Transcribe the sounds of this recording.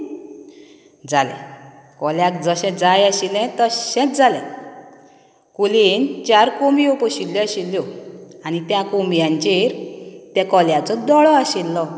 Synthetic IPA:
d͡zalɛ̰̃ | kɔljakd͡zəɕɛ̃d͡zajaɕilɛ̃t̪əɕɛ̃t̪̚d͡zalɛ̃ | kuliːnt͡ɕaɾkombiopɔɕiljɔɕilːjɔanit̪jakombjãɲt͡ɕeɾt̪ɛkɔljat͡sɔd̪ɔɭɔaɕilːɔ

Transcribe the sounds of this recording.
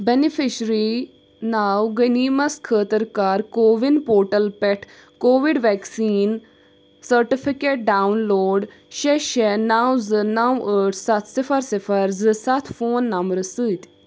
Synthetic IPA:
bɛnifʰɪʃɾi | naːwɡəniːmɐskʰəːt̪əɾkaːɾkoːʋinpoːɾʈɐlpɛʈʰ | koːʋiɖʋɛːksiːn | sɐɾʈifʰikeːʈ̚ɖaːwnloːɖ | ʃeʃenaːwzɨnawəːɖsɐt̪ʰsɪfʰɐɾsɪfʰɐɾzɨsɐt̪ʰfoːnːɐmɾɨsɨt̪

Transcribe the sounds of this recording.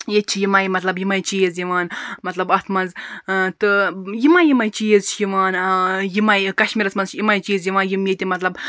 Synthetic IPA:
jet͡ʃʰijimajmɐt̪lɐbjimaːjt͡ʃijezjiʋaːnmɐt̪lɐbɐt̪ʰmɐnzt̪ɨjimajimajt͡ʃijezt͡ʃʰjiʋaːnjimajkɐʃmʲiɾɐsmɐnzt͡ʃʰjimaːjt͡ʃijizjiʋaːnjimjet̪ʲimɐt̪lɐb

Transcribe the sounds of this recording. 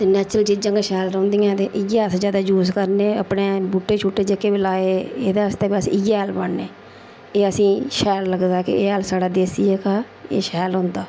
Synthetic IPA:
t̪eːnɛːt͡ʃɾəld͡ʒɪd͡ʒə̃ŋɡaːʃɛːlɾɔ̃ːnd̪iːãːt̪eːʔɪjaːt̪d͡ʒaːd̪aːd͡ʒuːskəɾneːəpneːbuːʈːeːt͡ʃʰuːʈːeːd͡ʒekeːbilaːeːeːd̪aːəst̪ɛːbiəsḭ̃ɪjaɦəlbəɳːeː | eːəsĩːʃɛːlləɡd̪aːkɪ̰eːəlsaːɽaːd̪eːsiːeːkaː | ḛːʃɛːlʊ̃ːnd̪aː

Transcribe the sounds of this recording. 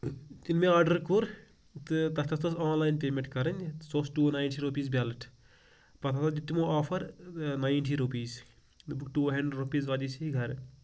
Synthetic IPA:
t̪inmẽaːɖɐɾkuɾ | t̪t̪ɐst̪ɐst̪ɐsaːnlaːjnpeːmẽɳʈkɐɾɐnʲsosʈuːnajɳʈʰiɾupiːzbʲaːlɐʈ | pɐt̪ʰat̪ɐd̪it̪imoaːpʰɐɾnajnʈʰiɾupiːz | bukʈuːɦɐɳɖeɖɾupiːzʋaːd̪isiiɡʱɐɾ

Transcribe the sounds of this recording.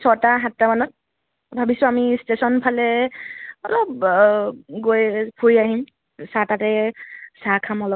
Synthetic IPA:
sɔtaɦatːamanɔt̚ | bʱabisʊamistesɔnpʰalɛ | ɔlɔp̚ | ɡojpʰujaɦim | satatɛsakʰamɔlɔp̚

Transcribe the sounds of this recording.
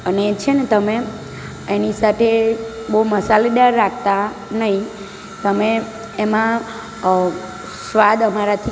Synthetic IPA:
əneːt͡ʃʰenet̪əme | enisat̪ʰebouməsaled̪aɾːak̚ʰt̪a | nəɦĩ | t̪əmeː | mã | sʋad̪əmaɾat̪ʰi

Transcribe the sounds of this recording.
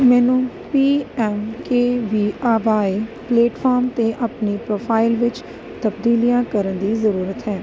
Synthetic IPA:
mɛːnũː | piːɛːmkeːʋiːaːʋaːepleːʈfʰaːɾmt̪eʔapnipɾoːpʰaːɪlʋɪt͡ʃ | t̪əbd̪iːlijãːkəɾənd̪iːzəɾuːɾət̪ɦɛ̃ː

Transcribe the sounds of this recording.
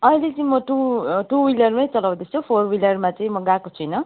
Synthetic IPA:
ʌilet͡sʌĩmʌʈuʈuwilʌrmajt͡sʌlaw̃d̪esopʰorwilʌrmat͡sʌĩmʌɡakot͡sʰujnʌ

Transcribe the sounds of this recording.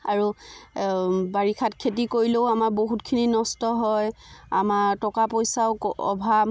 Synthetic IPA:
aɹu | baɹikʰatkʰetikoɹiloʊamaɹboɦutkʰininɔstɔɦɔjamaɹtɔkapojsaʊɔ̰bʱa

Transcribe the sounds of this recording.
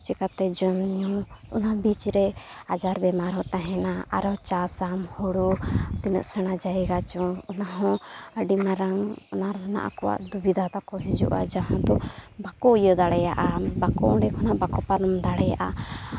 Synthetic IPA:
t͡ʃikat̪ɛd͡ʒɔnɲɔṵnabit͡ʃɾɛad͡ʒaɾbɛmaɾɦɔt̪ãɦɛnaa̰ɾɔt͡ʃasamhɔɽutt̪inɔ̰ʔsɛɽ̃ad͡ʒaiɡat͡ʃɔɔnaɦɔ̃əɖimaɾaŋɔnaɾna̰ʔa̰kɔwa̰ʔd̪ubid̪ʱat̪akɔɦid͡ʒṵʔa̰d͡ʒaɦãd̪ɔbakɔujɔd̪aɽɛjaʔabakɔɔɖɛkʰɔnabakɔpaɾɔmd̪aɽɛjaʔa

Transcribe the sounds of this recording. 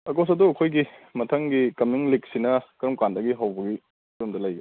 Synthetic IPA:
ɐkos̬ɐduɐkʰojɡimɐtʰɐŋɡikɐmiŋlik̚sinɐkɾɐmkandɐɡiɦɐwbɐɡi | kɾɐmdɐlɐjɡi

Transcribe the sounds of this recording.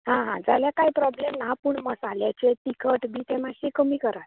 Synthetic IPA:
ɦãɦãd͡zaljakaɦipɾɔblemnapuɳməsaljat͡ɕet̪ikʰəʈbʱiːt̪emaɕikəmiːkəɾat̪

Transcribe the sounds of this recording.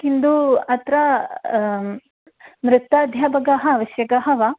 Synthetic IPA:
kind̪uɐt̪ɾɐ | mɾɪt̪ːaːd̪ʱjaːbɐɡɐɦɐaːʋɐʃjɐɡɐɦɐʋɐ

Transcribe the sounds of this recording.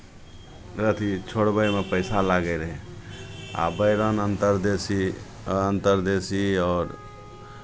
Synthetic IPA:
ɾət̪ʰit͡ʃʰoɽbəjmepəɪsalaɡəɾɦɛ | a̰bəjɾənənt̪əɾd̪esi | ənt̪əɾd̪esiɔːɾ

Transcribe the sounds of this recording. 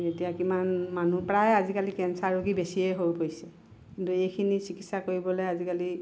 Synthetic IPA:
etijakimanmanupɹajazikalikɛnsaɹuɡibesiɛɦojpoisɛ | kintuejkʰinisikitsakoɹibɔlojazikali

